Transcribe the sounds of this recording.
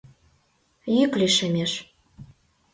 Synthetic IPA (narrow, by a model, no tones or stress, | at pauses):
jykliʃĕmʲeʃ